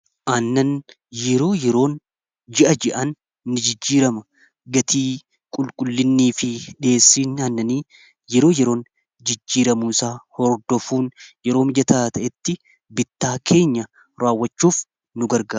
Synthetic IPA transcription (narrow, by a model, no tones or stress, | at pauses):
ʔɐnːɐn | jɛɾo̞ːjɛɾo̞ːn | d͡ʒɪʔɐd͡ʒɛʔɐnː | ɪd͡ʒɪd͡ʒːiːɾɐmɐ | ɡɐt̪ʰiː | kʼʊlkʼʊlːɪnːiːfɪᶑe̞ːsːiːnɐnːɐniː | jɛɾo̞ːjɛɾo̞ːn | d͡ʒɪd͡ʒːiːɾɐmuːsaːhɔɾd̪ɔfuːnjɛɾoːmɪd͡ʒɐt̪aːt̪ɐʔɛt̪ːɪ | bɪt̪ːaːkʰe̞ːɲːɐ | ɾaːwːɐt͡ʃːuːf | nʊɡɐɾɡaː